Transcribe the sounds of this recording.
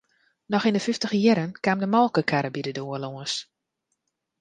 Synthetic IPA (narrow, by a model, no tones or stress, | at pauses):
nɔxindəfyftəxəjɛɾənkamdəmɔlˠkəkʰaɾəbidədoəloəns